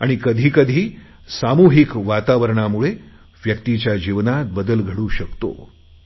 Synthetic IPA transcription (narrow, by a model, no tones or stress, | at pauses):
aɽ̃ikəd̪ʱiːkəd̪ʱiː | samuɦikʋat̪aʋəɾɳamuɭe | ʋjəkt̪it͡ɕjad͡ʑiʋnat̪̚bəd̪əlɡʱəɽuːɕəkt̪o̰